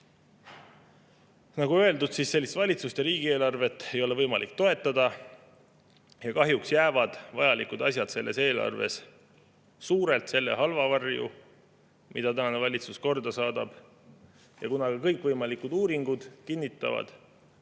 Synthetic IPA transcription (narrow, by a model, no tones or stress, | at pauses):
nɑɡuø̞e̞ld̪ud̪sisːe̞lːist̪vɑlʲit̪sust̪eɾiːɡ̥ie̞ːlɑrve̞t̪ːˑe̞jo̞le̞vɤjmɑlʔikt̪o̞e̞t̪ːˑɑd̪ɑ | jɑkɑɦjuksjæːvɑd̪̥vɑjɑlikud̪̥ɑsʲjɑt̪se̞lːe̞̰se̞ːlɑ̰rve̞̰s | suːɾe̞lt̪se̞lːe̞̰ɦɑlvɑvɑrjṵ | mʔid̪ɑt̪ænɑne̞vɑlʲit̪susko̞rd̪ɑsɑːd̪̥ɑb̥ | jɑkunɑɡ̥ɑkɤjkˑvɤjmɑlikud̪̥uːɾiŋɡ̥ud̪̥kinːit̪ːˑɑ̰vɑ̰d̪̥